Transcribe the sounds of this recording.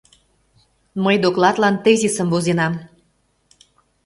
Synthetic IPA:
məjd̪oklɑt̪lɑnt̪ezʲisəmvozenɑm

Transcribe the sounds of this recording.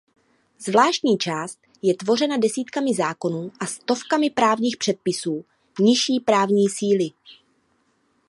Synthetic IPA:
zvlaːʃt̪ɲiːt͡ʃaːst̪̚ | jɛt̪vo̞rɛnadɛsiːt̪kamɪzaːko̞nuːʔast̪o̞fkamɪpɾaːvɲiːxpr̥ɛt̪̚pɪsuː | ɲɪʃiːpɾaːvɲiːsiːlɪ

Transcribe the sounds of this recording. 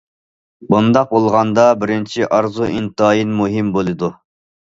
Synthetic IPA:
bund̪ɑq̚bolˠʁɑnd̪ɑbɪɾɪnt͡ʃʰiʔɑɾzuʔint̪ɑːjinmuɦɪmbolˠɨd̪u

